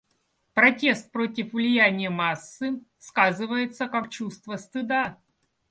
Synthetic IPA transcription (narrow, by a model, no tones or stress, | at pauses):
pɾɐtʲe̞st̪̚pɾo̞tʲɪfvlʲɪjænʲɪjəmasːɨ | skazɨvəjɪt̪səkak̚t͡ɕust̪vəst̪ɨd̪a